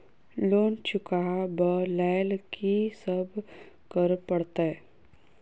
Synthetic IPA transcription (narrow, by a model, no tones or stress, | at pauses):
loːnt͡ʃʊkabəlɛːlkʰisəb | kəɾpəɽt̪a